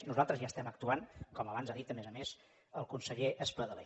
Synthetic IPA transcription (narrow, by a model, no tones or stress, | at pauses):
nuzalˠt̪ɾəzjaːst̪ɛmək̚t̪uankɔməβanzaðit̪əmɛzəmez | əlˠkunsəʎeʔəspəðəlḛ